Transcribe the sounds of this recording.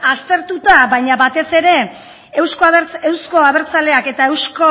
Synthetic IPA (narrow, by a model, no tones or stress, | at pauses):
ast̪e̞ɾt̪ut̪aβajɲaβat̪e̞se̞ɾe̞ː | wskt͡se̞wsko̞aβe̞ɾt͡sale̞ake̞t̪ae̞wsko̞